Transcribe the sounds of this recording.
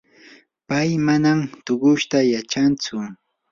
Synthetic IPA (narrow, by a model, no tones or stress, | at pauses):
pajmanamt̪ʊɢʊʃt̪ajat͡ʃant͡sʊ